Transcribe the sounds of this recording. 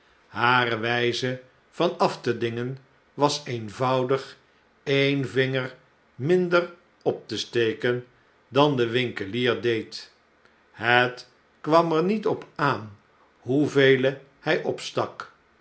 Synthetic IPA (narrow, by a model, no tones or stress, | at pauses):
ɦaːrəʋɛjzə | v̥ɑnɑftədɪŋən | ʋɑsejnvʌwdəχ | envɪŋər | mɪndər | ɔp̚təstejkən | dɑndəʋɪŋkəliːɹdejt | hət | kʋɑməɹnitɔpaːn | ɦuvejlə | hɛjʔɔpstɑk